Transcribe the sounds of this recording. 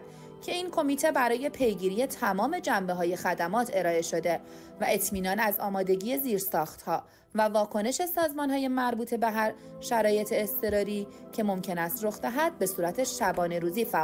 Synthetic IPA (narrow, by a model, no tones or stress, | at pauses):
cʰe̞iːnkʰo̞miːt̪ʰe̞bæɾɒːje̞pʰe̞jɡiːɾije̞t̪ʰæmɒːme̞d͡ʒæmbeɦɒːje̞xæd̪æmɒːt̪ʰeɾɒːe̞ʃo̞d̪e̞ | væʔe̞t̪ʰmiːnɒːnæzɒːmɒːd̪e̞ɟiːe̞ziːɾsɒːxt̪hɒː | vævɒːkʰo̞ne̞ʃe̞sɒːzmɒːnhɒːje̞mæɾbuːt̪ʰe̞be̞ɦæɾ | ʃæɾɒːje̞t̪ʰeːst̪ʰe̞ɾɒːɾiːcʰe̞mo̞mcʰe̞næst̪ɾo̞xd̪æɦæd̪̥̚be̞suːɾæt̪ʰe̞ʃæbɒːne̞ɾuːziːfæ